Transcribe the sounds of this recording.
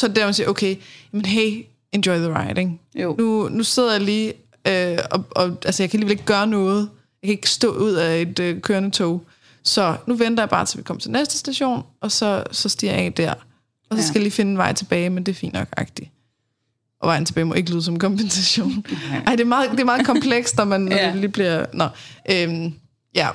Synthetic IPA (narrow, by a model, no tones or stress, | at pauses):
sɒ̽d̥æɐmensḭɐʔoʊkʰeɪjæmənɦeɪ̰ | end̥ɔɪðəʁɑ̈ɪdeŋnunuse̝ð̞ˠɐjɑliː | øɒ̽ɒ̽ælsəjɑ̈kʰæliːele̝ɡ̥̚ɡ̥ɶːɐnɔ̽ːð̞̩ˠ | jɑ̈kʰæe̝ɡ̥sd̥ɔ̰ːuð̞̰ˠæed̥økʰøːɐnət͡sʰoʊ | sɒ̽nuʋend̥ɐjɑ̈b̥ɑ̈ːt͡sʰe̝lʋikʰɒ̽m̰ɐ̥t͡sʰe̝lnesd̥ə̥sd̥æɕo̝̰ːnʔɒ̽sɒ̽sɒ̽sd̥ḭɐ̰jɛ̰d̥æɐ̰ | ɒ̽sɒsɡ̥æjaliːfe̝nəenʋɑ̈ɪn̩t͡sʰe̝b̥ɛːɪmend̥e̝æɐfḭːnd̥ɒɡ̥ɑ̈ɡ̥̚d̥i | ʔɒ̽ʋɑ̈ɪn̩t͡sʰeb̥ɛ̰ːɪmɔe̝ɡəliːð̞ˠsɒ̽m̩kʰɒ̽mb̥ʰensæɕo̝̰ːnɑ̈ɪ̰d̥e̝æɐmɑ̈ːð̞̩ˠd̥e̝æɐmɑ̈ːðˠkʰɒ̽mpʰleɡ̥sd̥nɒmænːɒdeliːb̥liɐ̰nɒʔøm | jæ